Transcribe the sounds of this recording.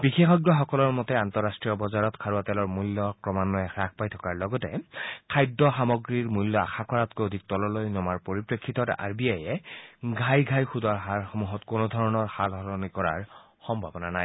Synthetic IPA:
bixexɔɡɹɔxɔkɔlɔɹmɔtɛantɔɹastɹijɔbɔzaɹɔtkʰaɹuatɛlɔɹmulːɔkɹɔmanɔɛɹak̚ʰpajtʰɔkaɹlɔɡɔtɛkʰajdɔxamɔɡɹiɹmujlːɔa̰xakʰɔɹatkojodʱik̚tɔlɔlojnɔmaɹpoɹipɹekʰːitɔta̰ɹbiajɛɡʱajɡʱajxudwaɹɦaɹxomuɦɔtkonɔdʱɔɹɔnɔɹhalɦɔlɔnikɔɹa̰ɹ | xɔmbʱabɔnanaj

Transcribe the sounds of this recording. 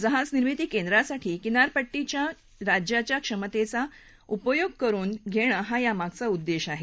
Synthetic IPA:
d͡zəɦãt͡sniɾmit̪iːkend̪ɾasaʈʰiːkinaɾpəʈːit͡ɕja | ɾad͡ʑjat͡ɕjakʂəmət̪et͡sa | upəjoɡ̚kəɾuːnɡʱeɽ̃əɦajamaɡ̚t͡saud̪ːeɕaɦe

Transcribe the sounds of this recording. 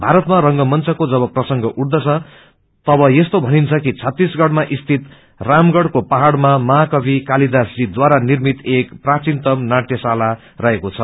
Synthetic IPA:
bʱaɾʌt̪maɾʌŋɡʌmʌnt͡sʰʌkod͡zʌβʌprʌsʌŋɡʌʔuɽd̪ʌt͡sʰʌ | t̪ʌbʌjest̪obʱʌnint͡sʰʌkit͡sʰʌt̪ːisɡʌɽmaʔist̪ʰit̪ | ramɡʌɽkopaɦaɽmamʌɦakʌbikalid̪asd͡zid̪waɾanirmit̪ekprat͡sint̪ʌmnaʈjʌsala | rʌɦekot͡sʰʌ

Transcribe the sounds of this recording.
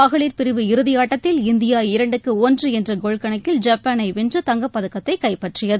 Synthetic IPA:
pɐɣɐɭiːɾpɪɾɪʋɯɪɾɯðɪjaːʈːɐt̪ːɪlɪnd̪ɪjaːɪɾɐɳɖɯkːɯɔndrɯɛndrɐɡoɭkɐɳɐkːɪld͡ʒɐpːanɐɪʋɪndrɯt̪ɐŋɡɐpːɐðɯkːɐt̪ːɐɪkɐɪpɐʈrɪjɐðɯ

